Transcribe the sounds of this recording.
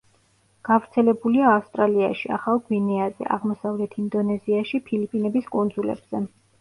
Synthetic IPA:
ɡ̥avɾt̪sʰɛlɛbuliaːfst̪ʼɾaliaʃia̰χalˠɡvinɛazɛ̰ʔa̰ʁmɔsavlɛt̪ʰind̪ɔnɛziaʃipʰilipʼinɛbiskʼund̪zulɛ̰b̥z̥ɛ

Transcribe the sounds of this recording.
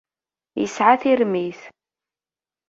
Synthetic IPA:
jə̰sʕaθiɾmiθ

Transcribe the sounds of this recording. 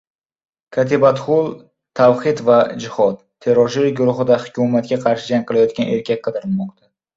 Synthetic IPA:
kʲʰat̪ʰebat̪χʊlˠ | t̪ʰawχɪt̪vad͡ʒɪhɒt̪̚ | t̪ʰːe̞ɾɒʃɪɾɡʊɾʊχɨd̪ahʊkʰʲumat̪̚kʲaqʰɑɾʃɪd͡ʒaŋqɨlˠajɒt̪̚kʲanʔe̞ɾkʲʰak̚ʲqʰɨd̪ɪɾɪlˠmɒqt̪ʰa

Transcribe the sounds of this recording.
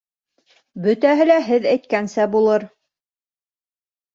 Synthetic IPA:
bɵ̆t̪æɦɘlæɦɘðæjt̪̚kænsæbulˠɤɾ

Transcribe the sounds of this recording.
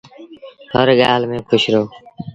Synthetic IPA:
həɾɠaːlmẽːkʰʊʃɾoː

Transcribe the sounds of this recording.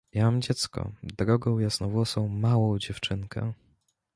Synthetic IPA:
jamamd͡ʑɛt̪skɔ̰d̪ɾɔɡɔ̃w̃jasnɔ̃vwɔsɔ̃w̃mawɔ̃w̃d͡ʑɛft͡ʂɘŋkʰɛ̰

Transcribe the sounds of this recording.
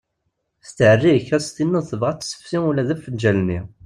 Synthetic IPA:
st̪əʕərːiçæst̪inːəθəvʁæt͡s̪ːsə̥fsiulːæðæfənd͡ʒælni

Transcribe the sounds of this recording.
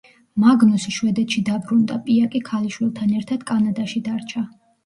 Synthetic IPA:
maɡnɔsʃwɛd̪ɛt̪ʰʃid̪abɾund̪apʼiakʼikʰaliʃwilˠt̪ʰanɛɾt̪ʰad̪̥kʼanad̪aʃid̪aɾt͡ʃʰa

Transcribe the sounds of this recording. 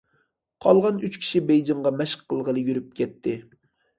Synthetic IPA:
qʰɑlˠʁɑnyt͡ʃkʲʰi̥ʃibejd͡ʒɪŋʁɑmɛʃqʰːəlˠʁəlɨjyɾyp̚kʲʰɛt̪ʰːɪ

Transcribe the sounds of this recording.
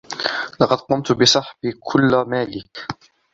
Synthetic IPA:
lɑqɑd̪qʊmt̪bɪsˤɑħbikʰʊlːmaːlɪk

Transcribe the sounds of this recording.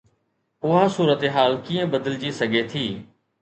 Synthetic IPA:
ʊɦasuːɾət̪eɦaːlkiːə̃bəd̪əld͡ʒiːsəɡʱeːt̪ʰiː

